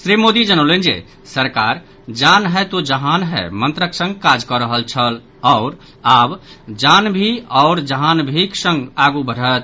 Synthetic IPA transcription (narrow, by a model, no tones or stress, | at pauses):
sɾimod̪id͡ʒənəlend͡ʒḛ | səɾkaɾ | d͡ʒanɦɛt̪od͡ʒəɦanɦɛ̰mənt̪ɾəksə̃ŋɡkad͡ʒkɔɾəɦəlt͡ʃʰəl | ɔʊɾ | abd͡ʒanbʱiɔʊɾd͡ʒəɦanbʱiksə̃ŋɡaɡubʱəɽ̤ət̪